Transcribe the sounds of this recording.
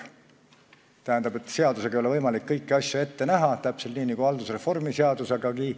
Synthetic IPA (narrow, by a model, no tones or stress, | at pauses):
t̪æɦænd̪̥ɑbe̞t̪ːˑse̞ɑd̪use̞ɡɑjolevɤjmɑlikːɤjkːiɑsʲjue̞t̪ːe̞næɦɑt̪æpselt̪niːniɡuɑld̪̥usre̞fo̞rmiseɑd̪̥useɡ̥ɑɡi